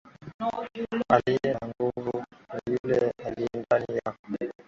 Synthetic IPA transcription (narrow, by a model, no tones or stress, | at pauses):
alijɛnaŋɡuvunajulɛalijɛndanija